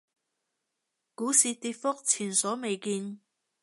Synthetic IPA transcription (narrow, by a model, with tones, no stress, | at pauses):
kuː˨˥siː˧t̪iː˧t̚fʊ˥k̚t͡sʰiː˨˩nsɔː˨˥me˨˧jkiː˧n